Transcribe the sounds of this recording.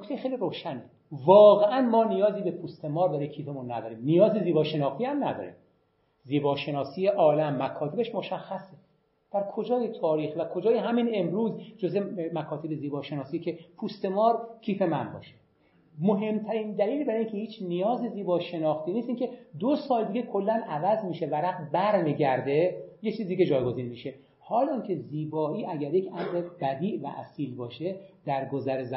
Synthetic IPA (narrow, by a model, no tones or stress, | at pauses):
nokʰt̪ejexejliɾoːʃæne | vɒːɣeʔænmɒːnijɒːziːbepʰuːst̪ʰe̞mɒːɾd̪ɒːɾecʰiːfemunːæ̰d̪ɒːɾiːmnijɒːzeziːbɒːʃe̞nɒːxt̪ʰiæmnæd̪ɒ̰ɾḭːm | ziːbɒːʃe̞nɒːsiːjeʔɒːlæmːækʰɒːt̪ʰe̞beʃmoʃæxːæse | d̪̥æɾkʰo̞d͡ʒɒːjet̪ʰɒːɾiːxvækʰo̞d͡ʒɒːjeɦæmine̞mɾuːzd͡ʒozemækʰɒːt̪ʰebeziːbɒːʃe̞nɒːsiːecʰe̞pʰuːst̪e̞mɒːɾkʰiːfe̞mænbɒ̰ːʃe | moɦe̞mt̪ʰæɾiːnd̪æliːlbæɾincʰe̞hiːt͡ʃʰnijɒːziziːbɒːʃe̞nɒːxt̪ʰiːniːst̪iːŋcʲʰe̞d̪osɒːld̪iːɡekʰolːænævæzmiːʃevæɾæqbæɾmiːɟæɾd̪e̞jet͡ʃʰiːzid̪iːɡed͡ʒɒːjɡo̞ziːnmiʃe̞ | hɒːlɒincʲʰe̞ziːbɒːʔiːʔæɟæɾje̞cʰæmɾeb̥æd̪iːʔvæ̰ʔæ̰siːlbɒːʃed̪̥æɾɡozæɾezæ